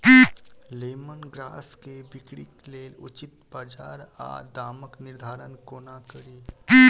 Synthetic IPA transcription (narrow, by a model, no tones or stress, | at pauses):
ileːmənɡɾa̰ːskebikɽikleːlṵt͡ʃit̪baːd͡ʒaːɾa̰d̪aːməkniɾd̪ʱaːɾənkoːnakəɾiː